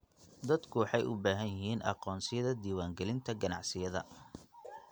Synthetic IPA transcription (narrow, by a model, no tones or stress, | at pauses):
d̪ɐd̪kʰʊwɑħɑjʊ̰baːɦɐjjɪɦiːnʔɑ̰qɔːnsɪjɐðɐd̪iːwaːŋɡɛlɪnt̪ʰɐɡɐnɑ̰ʕsɪjɐðɐ̰